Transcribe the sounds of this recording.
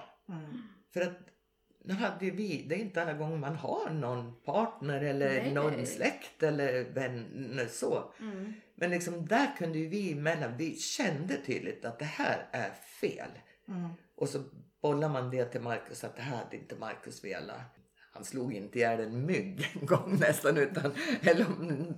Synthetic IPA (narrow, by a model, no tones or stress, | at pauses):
fœɾat̪̚ | nʉ̟ːɦad̪ːəjɵvɪd̪ɛɛɾɪnt̪əalːaɡɔŋːmanhaɳɔnpʰɑːʈɳəɾɛlːəɾnɔɾmslɛkt̪ɛlːəɾvɛnəʂɔ | mʔɛnlɪksɔmd̪æɾkʰɵnd̪əjɵvɪmɛlːavɪɕɛnd̪ət̪ʰy̰ːd̪lɪt̪at̪̚d̪ɛhæ̰ːɾæ̰ɾfḛːl | ʔɔsɔb̥ɔlːamand̪ɛt̪ʰɪlmaɾkɵsɔat̪̚d̪ɛɦæːɾha̰d̪ːəɪnt̪əma̰ɾkɵsvḛːla̰ | hansluːɡɪnt̪əɪjæːɖɛnmʏɡːɛnɡɔŋːnɛst̪anʉ̟ːt̪anɛlːəɾɔm